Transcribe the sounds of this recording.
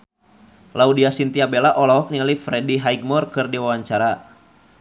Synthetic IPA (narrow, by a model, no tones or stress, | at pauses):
laudiasint̪iabelaʔɔlɔɦɔk̚niŋalifɾɛdiɦaiɡ̚mɔrkɨrdiwawaɲt͡ʃaɾa